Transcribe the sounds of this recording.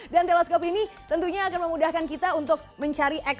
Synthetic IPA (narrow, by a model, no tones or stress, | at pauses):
dant̪elɛskɔpinit̪ənt̪uɲaːkanməmudahkankit̪aunt̪ʊk̚məɲt͡ʃaɾiʔɛk